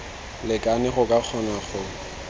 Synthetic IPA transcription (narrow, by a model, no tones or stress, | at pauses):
lɪkʼanɪχʊkʼak͡xʰɔnaχʊ